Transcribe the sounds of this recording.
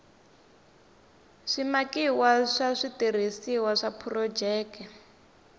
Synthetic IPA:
ʂimakiwaʂaʂitir̤isiwaʂapʰurɔd͡ʒɛːkɛ

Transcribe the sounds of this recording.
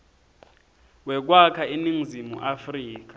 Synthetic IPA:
wɛk̬wakʰaeniŋzimṵʔafriːk̬ḁ

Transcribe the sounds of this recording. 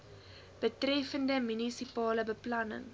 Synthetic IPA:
b̥ətrɛfəndəmynisipɑːləbəplɐnə̰ŋ

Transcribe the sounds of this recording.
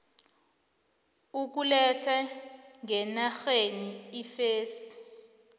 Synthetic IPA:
uk̬ulɛtʰa | ŋɛnaxeniːfeːsi̥

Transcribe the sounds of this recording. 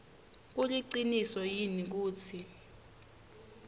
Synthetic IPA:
k̬uliǀinisɔjinik̬uːt͡sʰi

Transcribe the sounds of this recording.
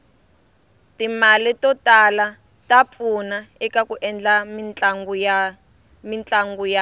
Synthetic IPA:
timalitɔtala | tap̪funaɛkakuʔɛnd͡ɮat͡ɬaŋu | mint͡ɬaŋɡuja

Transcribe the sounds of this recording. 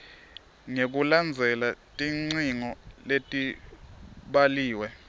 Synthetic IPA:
ŋek̬uland͡zʱɛlatʼiŋ͡ǀiŋɔletʼi | ɓaliːwɛ

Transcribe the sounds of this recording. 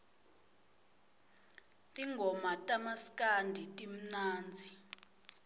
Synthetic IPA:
tʼiŋɡʱɔmatʼamaskʼandʱitʼim̩naːnd͡zʱi

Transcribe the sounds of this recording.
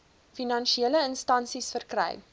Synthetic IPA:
finɐnʃieləənstɐnsisfərkrɛ̰j

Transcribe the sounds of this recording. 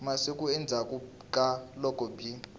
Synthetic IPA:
masikʼuɛnd͡zʱakʼu | kʼalɔkʼɔbi

